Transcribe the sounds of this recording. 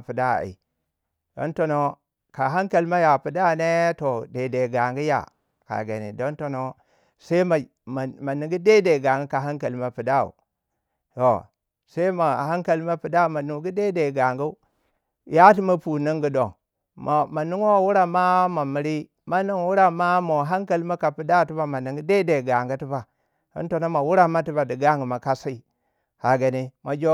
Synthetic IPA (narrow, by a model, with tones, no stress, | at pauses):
pi˨da˦˨ḭ˨ | d̥o̰˦nto˨no˦ | ka˨ɦa˦ŋka˨lma˦ja˨pi˨da˦˨ne˦to˨de˨de˨ɡa˨ŋɡi˦ja̰˨ | ka̰˨ɡe˨nḭ˨do˦nto˨no˦ | sa˦i˦ma˨ | ma˨ni˨ŋɡi˦de˦de˨ɡa˨ŋɡi˦ka˨ɦa˦ŋka˨lma˨pi˨da˦˨ṵ˨ | to̰˨ | se˦i˦ma˨ha˦ŋka˨lma˦pi˨da˦u˨ma˨nu˨ɡi˦de˦de˨ɡa˨ŋɡu˦ | ja˦ti˦ma˦pu˨ni˦ŋɡu˨do̰˨ŋ | ma˨ma˨nu˦ŋ˦a˨wu˦ɾa˦ma˦ma˨mi˨ɾi˦ | ma˦ni˦˨ŋ˦wu˦ɾa˦ma˦mo˨ɦa˦ŋka˨li˦ma˦ka˨pi˨da˦˨ti˦ba˦ma˨ni˨ŋɡi˦de˦de˨ɡa˨ŋɡu˦ti˦ba˨ | ḭ˦nto˨na˦ma˨wu˦ɾa˦ma˦ti˦ba˨di˨ɡa˦ŋɡu˨ma˨ka˦sa˦i˨ | ha˨ɡa˨ni˦ma˨d͡ʒo˦